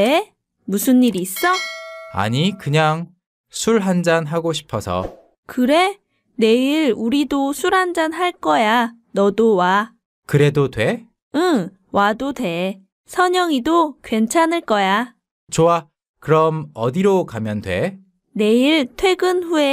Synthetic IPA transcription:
e | musʰɯnːiɾiːs͈ʌa̰ɲikɯɲaŋ | sʰuɭɦand͡ʑanɦaɡoɕʰi̥pʰʌsʰʌ̰ | kɯɾe̞ | ne̞iɾuɾidosʰuɾɦand͡ʑanɦaɭk͈ʌja | nʌdowa | kɯɾe̞dotwe | ɯŋ | wadodwe̞ | sʰʌɲʌŋidokwe̞nt͡ɕʰanɯɭk͈ʌja | t͡ɕoa | kɯɾʌmʌdiɾokamjʌntwḛ | ne̞iɭtʰwe̞ɡɯnɸue

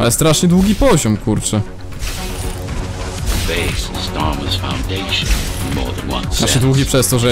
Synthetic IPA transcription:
alɛst̪ɾaʂɲɛd̪wuɡʲipɔʑɔmkuɾt͡ʂɛ | ðəbeɪsnstɑɹməz̥fã̰ʊ̃ndeɪʃə̃nəmɔ̰ːðə̃nwʌ̰̃nsnaʂɛd̪wuɡʲipʂɛst̪ɔʐɛ

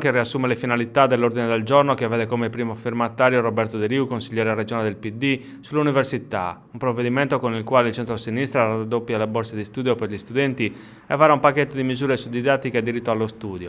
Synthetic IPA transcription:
keriasːuːmelefinalit̪ad̪elːoɾd̪ined̪eld͡ʒornokevːɛːd̪ɛkomepɾiːmofirmat̪aːɾjorobɛrt̪od̪eɾiukonsiʎːɛːɾered͡ʒonaled̪elpid̪i | sulːuniversit̪a̰umpɾovːed̪imɛnt̪okonilkwaːleilt͡ʃɛnt̪ɾosinist̪ɾarad̪ːopːjaleboɾsed̪ist̪uːd̪joperʎist̪ud̪ɛnt̪i | ɛvaɾaumpakːet̪ːod̪imizuːɾesud̪id̪at̪ːikead̪ːiɾit̪ːoalːost̪uːd̪jo

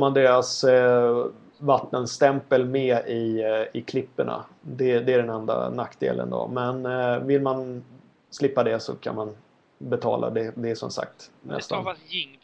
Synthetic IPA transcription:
fmand̪eːɾas | vat̪ːənst̪ɛmpəlmeːɪɪkʰlɪpːəɳa̰d̪ɛd̪ɛæɖɛnɛnd̪a̰nakːd̪ḛːlʔə̰nd̪o̰mɛnvɪlman | slɪpːad̪ɛsɔ̰kʰa̰nman | bɛt̪ʰɑːlʔa̰d̪ɛd̪ɛːʂɔmsa̰k̚t̪nɛ̰st̪an

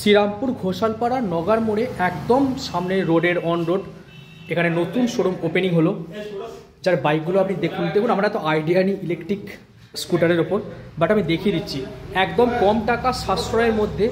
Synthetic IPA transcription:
ʃiɾampuɾɡʱoʃalpaɽaɾnɔɡaɾmoɽeʔɛkd̪omʃamneɾoɖeɾɔnɾoɖ | ekʰanenot̪unʃoɽomopeniŋɦolo | d͡ʑaɾbajk̚ɡuloapnid̪ekʰund̪ekʰunamaɾɛt̪oajɖianiʔilekʈɾik | skuʈaɾeɾopoɾbaʈamid̪ekʰied̪itːɕʰiɛkd̪omkɔmʈakaʃasɾaeɾmod̪ʱːe

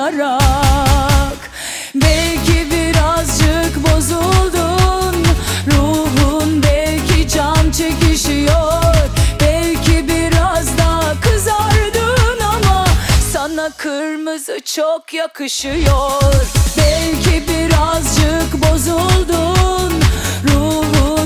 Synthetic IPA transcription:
aɾa | k | bɛlʲcʰibiɾazd͡ʒɯkbo̞zulˠd̪unɾuɦunbɛlʲcʰid͡ʒant͡ʃʰɛciʃijoɾbɛlʲcʰibiɾazd̪akʰɯzaɾd̪ɯnamasanakʰɯɾmɯzɯt͡ʃʰokjakʰɯʃɯjoɾbɛlʲcʰibiɾazd͡ʒɯkbo̞zulˠd̪unɾuɦu

